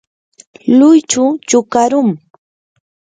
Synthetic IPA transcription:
lʊjt͡ʃʊt͡ʃʊkaɾʊŋ

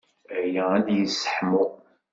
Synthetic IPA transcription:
æjææd̪jəsːə̥ħmʊ

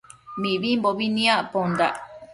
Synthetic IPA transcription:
miβimboβinĩapond̪a

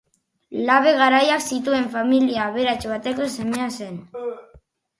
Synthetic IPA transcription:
laβe̞ɣ̞aɾajaksit̪ue̞ɱfamiliaːβe̞ɾat͡ʃβat̪e̞ko̞se̞mease̞n

